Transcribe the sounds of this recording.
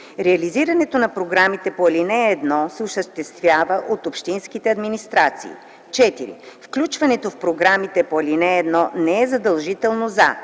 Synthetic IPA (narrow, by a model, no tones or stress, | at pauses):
ɾɛɐliziɾɐnɛt̪onɐpɾoɡɾamit̪ɛpoɛlinɛːd̪nɔsɛosəʃt̪ɛst̪vʲjavəʔot̪opʃt̪inskit̪ɛɐd̪minist̪ɾat̪sḭː | t͡ʃɛt̪iɾḭfklʲut͡ʃvɐnɛt̪ofpɾoɡɾamit̪ɛpoɐlinɛːd̪nɔnɛɛzɐd̪ɐlˠʒit̪ɛlˠnoza